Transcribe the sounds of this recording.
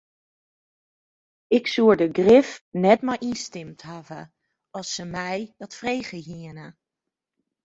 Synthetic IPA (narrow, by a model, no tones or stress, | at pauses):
ɪksuəɹdəɡrɪfnɛtmajinstɪmtɦavə | ɔlˠsːəmɛjdɔtfrejɣəɦiənə